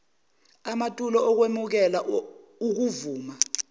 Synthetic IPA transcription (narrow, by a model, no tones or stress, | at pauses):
amatʼulɔɔk̬wemuk̬ɛla | uk̬uvuːma